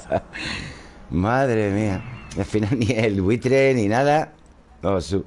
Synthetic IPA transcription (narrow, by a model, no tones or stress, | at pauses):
maðɾemiaalfinalnielwit̪ɾeninaða | osu